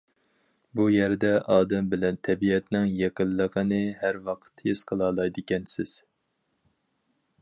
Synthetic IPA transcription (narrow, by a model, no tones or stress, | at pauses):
bujæɾd̪ɛʔɑːd̪ɛmbɪlɛnt̪ʰɛbiɛt̪nɪŋjeqəlˠːəqənɨhæɾwɑqʰt̪jesqʰəlˠɑːlˠɑjd̪ɨkʲɛnsɪz̥